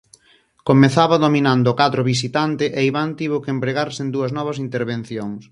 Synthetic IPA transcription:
komeθaβɐðominand̪ʊkat̪ɾʊβisit̪ant̪ɪʔeiβant̪iβokeempɾeɣaɾsɪend̪uɐznɔβɐsint̪eɾβen̟θjoŋs

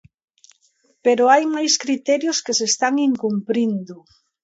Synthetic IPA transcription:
peɾoajmajskɾit̪ɛɾjʊskesest̪aŋiŋkumpɾind̪ʊ

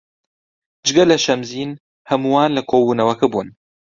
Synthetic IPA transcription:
d͡ʒɨɡɐlɐʃɐmziːn | hɐmuwaːnlɐkʰoːbuːnɐwɐkɐbuːn

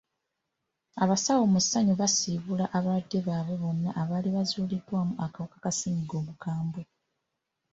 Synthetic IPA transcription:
aβasawo̞musaɲuβasiβulaʔaβadːe̞βaːβwe̞βo̞nːaʔːβaːliβazuːlidːwaːmuʔakawukakasiːɲiɡo̞ːβukaːmbo

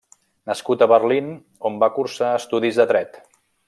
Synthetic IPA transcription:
nəskut̪əβərlin | ombakursaəst̪uðizðət̪ɾɛt̪

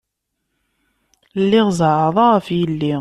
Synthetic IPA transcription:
lːiʁzˤʕʕəðˤɑʁəfjəlːi

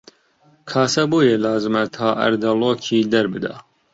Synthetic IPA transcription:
kʰɑːsɐbuːjelaːzɨmɐt̪ʰaːʔɐ̰ɾd̪ɐloːkʰiːd̪ɐɾbɨd̪ɑ̰

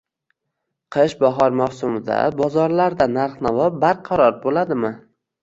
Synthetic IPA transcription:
qʰɨʃbaɦɒɾmaχsʊmɪd̪a̰bɒzɒɾlaɾd̪anaɾχnavɒp̚baɾqʰɑɾɒɾbolad̪ɪmɪ

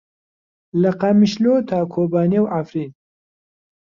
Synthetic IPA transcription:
lɐqamiʃloːt̪ʰakʰobɑːnewafɾin

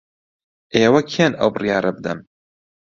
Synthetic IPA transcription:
ʔeːwɐkʰienɐ̰wbɨrijɑːɾɐbɨd̪ɐm

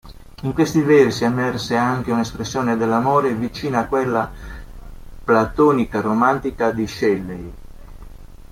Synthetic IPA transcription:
iŋkwest̪ivɛrsiɛmːɛrseaŋkeunespɾesːjɔːned̪elːamoːɾevit͡ʃiːnaːkwelːa | plat̪ɔːnikaromant̪ikad̪iʃɛlːej

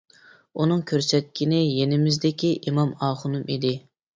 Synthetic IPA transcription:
unɨŋkʲʰøɾsɛt̪̚kʲʰinɪjenɪmɪzd̪ɪkʲʰiʔimɑmɑːχʊnumid̪ɪ

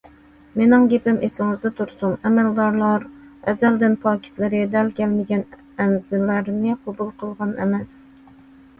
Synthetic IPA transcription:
menɪŋɡʲepɪmʔesɪŋɨzd̪ɛt̪ʰuɾsunɛmæld̪ɑɾlˠɑɾɛzæld̪ɪnpʰɑkʲʰɪ̥t̪lɪɾɪd̪ælkʲʰɛlmɪɡʲɛn | ɛnzɪlæɾnɪqʰobulˠqʰəlˠʁɑnḛmɛs

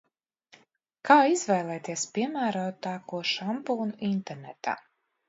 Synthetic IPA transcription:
kaːizvɛːlˠɛːt̪iɛspʲiɛmæːɾuːt̪ːaːkuɔʃampuːnuʔint̪ɛɾnet̪a̰ː

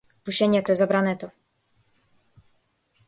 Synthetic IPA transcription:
t̪uɕɛɲɛt̪ɔɛzabɾanɛt̪ɔ

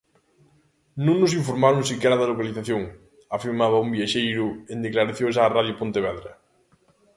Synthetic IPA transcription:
nõŋnos̬ĩɱfoɾmaɾoŋsikɛɾaðalokaliθaθjoŋ | afiɾmaβaumbjaʃejɾʊend̪eklaɾaθjoʃ̬aːraðjopont̪eβ̞ɛðɾa

